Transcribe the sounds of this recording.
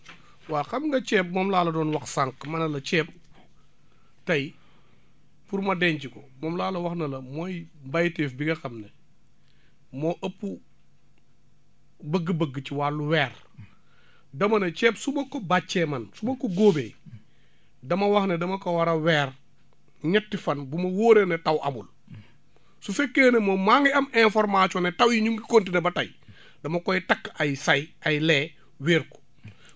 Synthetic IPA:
waːxɐmŋɡɐt͡ʃɛːp̚mɔmlaːlɐdɔːnwɐxsaŋkmɐnɐlɐt͡ʃɛːp̚ | tɐj | puɾmɐdɛɲt͡ʃikɔmɔːmlaːlɐwɐxnɐlɐmojmbajtɛːfbiɡɐxɐmne | moːʔɐpːu | bəɡːəbəɡːət͡ʃiwaːluwɛːr | dɐmɐnɐt͡ʃɛːpsumɐkːobat͡ʃːemɐnsumɐkoɡoːbej | dɐmɐwɐhnedɐmɐkɐwɐɾɐwɛːɾ | ɲɐtːifɐnbumɐwoːɾenetɐwʔɐ̰bṵl | sufekːeːnemomaŋiɐmɛ̃nfɔɾmat͡ʃɔnetɐwjiɲuŋɡikontinebɐtɐ̰j | dɐmɐkɔjitɐkːɐjsɐjɐjlɛː | wiːɾko̥

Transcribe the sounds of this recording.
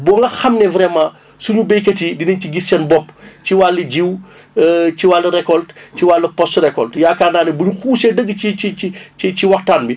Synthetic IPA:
bɔŋɡɐxɐmnɛvɾɛmã | suɲubejkɐtidinɐɲciɡisːɐnbɔpːt͡ʃiwalːɐɟiw | ət͡ʃiwalːɐɾɛkɔltt͡ʃiwalːɐpɔstrɛkɔltjakaːnaːnɐbuɲuxuːsɛdəɡːit͡ʃit͡ʃit͡ʃiciwɐxtaːnbi

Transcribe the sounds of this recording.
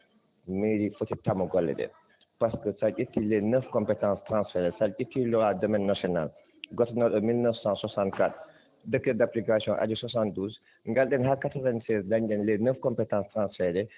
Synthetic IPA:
meɾifotitamːɔɡɔlːɛ̰ɗɛ̰ | paskəsalɟʲətːilɛnəfkɔmpɛtãːnstɾãnsfɛdɛsalɟətːilɔadɔmɛnːasɔna̰l | ɡɔtnɔɗɔmilnəfsãswasãnt̚kat | dəkːədaplikasjɔ̃ʔa̰d͡ʒuswasãn̚duːs | ŋɡalɗɛnhakatɐɾɛnsɛsdaɲɗɛnlɛnəfkɔmpɛtãːstɾãːnsfɛdɛ

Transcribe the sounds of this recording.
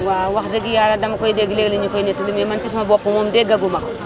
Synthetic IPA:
wawakd͡ʒɐɡijaɾadɐmɐkojideɡileɡliɲikoinet̪ulimemɐnt͡ʃis̬mabopumomdeɡɐɡumɐko

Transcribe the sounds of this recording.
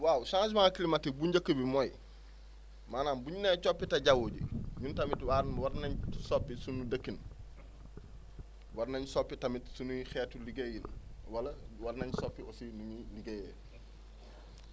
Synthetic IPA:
waːwsãŋsmaŋkilimatibuɲɟakːəbimoj | maːnaːnbuɲuneːt͡ʃopːitɐɟawoːɟḭɲuntamitwaɾwaɾnaɲsopːisunudɐkːin | waɾnaɲsopːitamitsunuxetuliɡejinwalɐwaɾnaɲsopːiosinuɲiliɡeje

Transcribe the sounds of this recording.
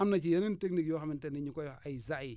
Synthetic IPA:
amnat͡ʃijaninteknikjoxamɪteniɲikojaizai

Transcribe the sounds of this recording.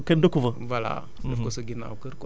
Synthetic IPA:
kendokuvəvala̰ | dofkosəɡʲina̰wkəɾko

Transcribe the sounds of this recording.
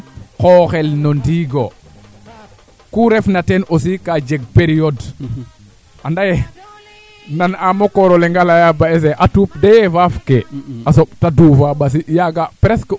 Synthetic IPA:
koxɛlnondiɡo | kuɾɛfnatenʔosikad͡ʒeɡ̚peɾiod | andaje | nanamokoɾoleŋɡalajabaes̬eʔatupdevafkeasoɓtaduːfabas̬ijaɡapɾesk

